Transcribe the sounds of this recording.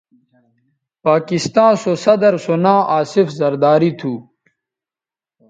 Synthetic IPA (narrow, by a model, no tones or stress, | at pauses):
paːkist̪ãːsosɐd̪ɐɾsonãːʔaːsifzɐɾd̪aːɾit̪ʰuː